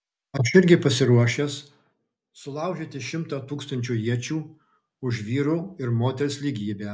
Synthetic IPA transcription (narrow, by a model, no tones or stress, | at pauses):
ɐt͡ʃɪɾʲɡʲɪpɐsʲɪɾuɔʃʲeːs | sʊlˠɐˑʊʒʲeːt̪ʲɪʃʲɪmt̪ɑːt̪uːkst̪ɐnʲt͡ʃʲuːjiɛt͡ʃʲuː | ʊʒʲʋʲiːɾuɪɾmoːt̪ʲɛɾʲɪsʲlʲiːɡʲiːbʲeː